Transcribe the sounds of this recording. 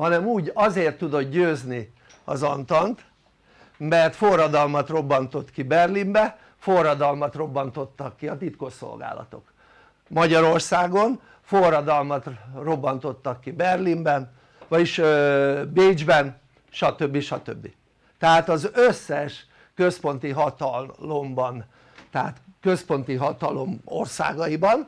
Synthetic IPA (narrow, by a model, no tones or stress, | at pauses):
hɒnɛmuːɟɒzeːrt̪ːud̪o̞t̪ɟøːzni | ɒ̰zɒnt̪ɒnt̪ | mɛrt̪fo̞rːɒd̪ɒlmɒt̪ro̞bːɒnt̪o̞t̪kibɛrlimbɛ | fo̞rːɒd̪ɒlmɒt̪ro̞bːɒnt̪o̞t̪ːɒkːiɒt̪it̪ko̞ʃːo̰lɡa̰ːlɒ̰t̪o̞̰k | mɒɟɒɾo̞rsaːɡo̞n | forːɒd̪ɒlmɒt̪ro̞bːɒnt̪o̞t̪ːɒkːibɛrlimbɛn | vɒɟiʃ | beːd͡ʒbɛn | ʃɒt̪ø̞bːiʃɒt̪ø̰bːi | t̪ɛɦaːt̪ɒzøsːɛʃ | køspo̞nt̪iɦɒt̪ɒlo̞mbɒn | t̪ɛɦa̰ːt̪kø̞spo̞nt̪iɦɒt̪ɒlo̞̰mo̞̰rsa̰ːɡɒibɒn